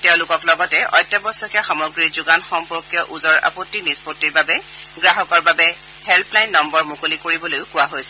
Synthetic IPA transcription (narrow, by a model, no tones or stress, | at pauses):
tɛʊ̃lʊkɔklɔɡɔtɛʔɔ̰jtːɔbɔsɔkɛxamɔɡɹiɹzuɡanxɔmpɔɹkjɔʔuzɔɹa̰potːinispotːiɹbabɛ | ɡɹaɦɔkɔɹbabɛ | hɛlpʰlajnːɔmbɔɹmʊkolikoɹibɔlojʊkʊwaɦojsɛ̥